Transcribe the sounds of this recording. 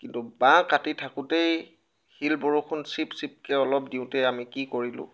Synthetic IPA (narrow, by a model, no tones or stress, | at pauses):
kintubãkatitʰakʊtej | xilbɔɹukʰʊnsipsip̚kɛɔlɔpdiʊ̃tɛamikikoɹilʊ̰̃